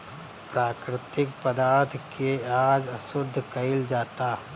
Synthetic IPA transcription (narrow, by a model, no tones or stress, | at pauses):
pɾaːkɾɪt̪ɪkpəd̪aːɾt̪ʰkeaːd͡ʒəʃʊd̪ʱːkɐɪld͡ʒaːt̪a